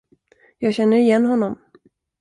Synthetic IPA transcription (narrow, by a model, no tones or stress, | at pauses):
jɑːɡɕɛnːəɾɪjɛnːɦɔnːɔm